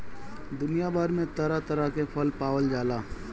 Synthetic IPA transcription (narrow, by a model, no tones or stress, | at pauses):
d̪ʊnijabaːɾmẽt̪ɐɾat̪əɾakepʰəlpaːʋəld͡ʒaːlaː